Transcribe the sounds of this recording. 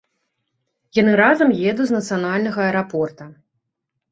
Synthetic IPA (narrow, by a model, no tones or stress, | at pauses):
janɨɾazɐmjɛd̪uznɐt̪sɨjanalʲnɐɣɐɐɛɾapɔrt̪ɐ